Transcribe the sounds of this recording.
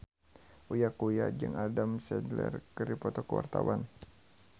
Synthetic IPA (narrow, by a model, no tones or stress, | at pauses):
ʔujakujad͡ʒɨŋadamsɛdlɛrkəɾipɔt̪ɔkəwart̪awan